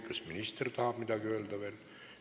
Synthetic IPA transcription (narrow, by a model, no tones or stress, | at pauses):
kːɑsminist̪ert̪ɑːpmit̪ækyølt̪æʋen